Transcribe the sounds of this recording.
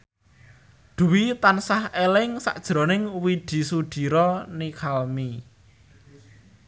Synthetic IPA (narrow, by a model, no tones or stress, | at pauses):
d̪̥ṳwit̪ansahelɪŋsa̰ʔd̥ʒ̥ɾonɪŋwid̪̥i̤suɖ̪̥i̤ɾɔnikʰalmi